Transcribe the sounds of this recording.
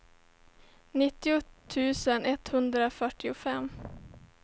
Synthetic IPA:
nɪt̪ːɪʊt̪ʰːʉ̟ːsənɛt̪hɵnd̪ɾafœʈːɪʊfɛmː

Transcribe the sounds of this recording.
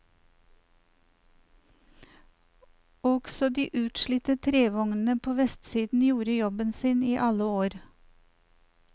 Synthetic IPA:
ɔɡ̥sɔd̪iːʔʉːt̪ʃɭiːt̪ət̪ʰɾeːʋɔŋn̩əpʰoːʋɛst̪siːd̪n̩juːɾəjɔbənsiːniːʔɑləoːɾ

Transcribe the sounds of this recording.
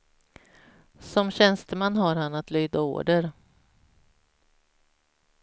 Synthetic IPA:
sɔmɕɛnst̪əmanːɦaɾhanːat̪lyːd̪ao̰ːɖəɾ

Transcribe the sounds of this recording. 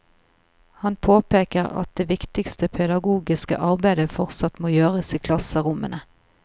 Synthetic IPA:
hɑnpʰoːpeːkəʁɑ̰t̪̚d̪eːʋɪkt̪ɪkst̪əpʰɛd̪ɑɡuːɡɪskə̰ʔɑʁbæɪd̪əfɔʁt̪sɑt̪moːjøːʁəsiːkʰlɑsəʁʊmənə

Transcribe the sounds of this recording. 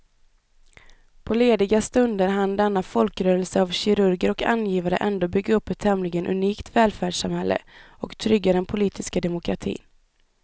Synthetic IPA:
pʰɔleːd̪ɪɡast̪ɵnd̪əɾɦand̪ɛnːafɔlkɾœːɾəlsəavɕɪɾɵɾɡəɾɔka̰njiːvaɾə̰ʔɛnd̪oːbʏɡaɵpːɛt̪ʰːɛmlɪɡənʔɵ̰niːkt̪vɛːlfæːɖʂamhɛlːʔə̰ | ɔkt̪ʰɾʏɡːad̪ɛnpʰʊliːt̪ʰɪskad̪ɛmʊkʰɾat̪ʰḭːn

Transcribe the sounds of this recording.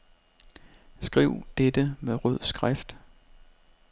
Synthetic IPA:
sɡ̥ʁiʊ̰d̥ed̥əmeʁøð̞̰ˠsɡ̥ʁafd̥

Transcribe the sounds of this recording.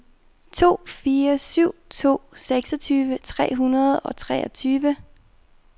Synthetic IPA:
t͡sʰo̝̰ːfiːɐsyʊ̰t͡sʰo̝̰ːseɡ̥sɒt͡sʰyːʋət͡sʰʁɛ̰ːɦunɐð̞̩ˠɒ̽t͡sʰʁɛːɒt͡sʰyːʋə

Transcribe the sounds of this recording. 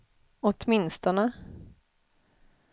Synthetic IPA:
ɔt̪mɪnst̪ɔnə

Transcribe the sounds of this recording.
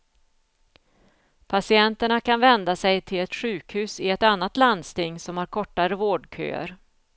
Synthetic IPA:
pʰasɪɛnt̪əɳakʰanvɛnd̪asɛjt̪ʰɪlɛt̪ɧʉ̟ːkhʉ̟ːsɪɛt̪anːat̪land̪st̪ɪŋːsɔmhaɾkʰɔʈːaɾəvoːɖkʰø̰ːə̰ɾ

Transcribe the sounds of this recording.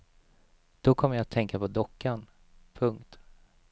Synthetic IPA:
d̪̥ɔkʰɔmːəjaat̪ʰːɛŋkapʰɔd̪ɔkːan | pʰɵŋkt̪

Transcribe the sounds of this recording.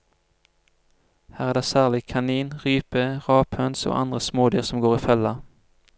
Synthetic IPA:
hæːʁæːʁd̪eːsæːʁlɪkʰɑniːnʁyːpəʁɑːphœnso̰ːʔɑ̰nd̪ʁəsmoːd̪yːʁsɔmɡoːʁiːfɛlɑ

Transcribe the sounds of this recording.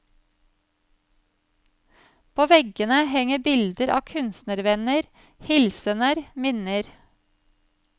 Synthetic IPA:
pʰoːʋɛɡənəhɛŋəbɪld̪əɾʔɑ̰ːkʰʉnsnəɾʋɛnəɾ | hɪlsənəɾmɪnəɾ

